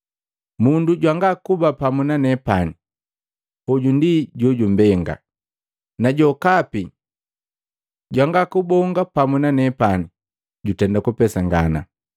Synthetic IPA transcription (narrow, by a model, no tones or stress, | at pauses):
munduɟwaŋɡakubapamunanɛpani | ɔɟundiɟɔɟum̩bɛŋɡa̰ | naɟɔkapi | ɟwaŋɡakubɔŋɡapamunanɛpani | ɟutɛndakupɛsaŋɡana̰